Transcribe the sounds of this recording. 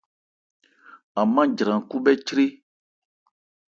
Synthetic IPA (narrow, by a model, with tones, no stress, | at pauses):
a˨mã˦d͡ʒɾã˨ku˦bɛ˦t͡ʃɾe˦